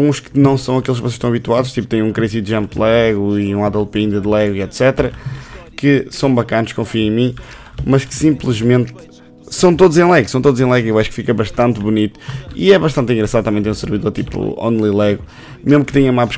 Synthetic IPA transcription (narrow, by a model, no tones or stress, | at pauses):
ũʃkɨnɐ̃w̃sɐ̃w̃ɐkelˠʃkvɔseʃt̪ɐ̃w̃ɐβit̪waðuʃt̪ip̚t̪ẽj̃ũkɾesiðʒɐ̃mplˠɛɣuiũaðɛlˠpĩnd̪ɐðlˠɛɣwiɛt̪sɛt̪ɾɐkɨsɐ̃w̃bɐkɐnuʃkõfiɐ̃mĩ | mɐʃkɨ̥sĩmplˠɨʒmẽnt̪ | sɐ̃w̃t̪od̪uzẽj̃lˠɛɣɾsɐ̃t̪od̪zẽlˠɛɣewaʃu̥kfikɐβɐʃt̪ɐ̃nt̪βunit̪u̥ḭɛβɐʃt̪ɐ̃nt̪ĩŋɡɾɐsaðut̪ɐmɐ̃t̪ẽsɨɾviðoɾt̪ipṵõ̰nlˠilˠɛɣu | meʒmukɨt̪ẽɲɐumapʃ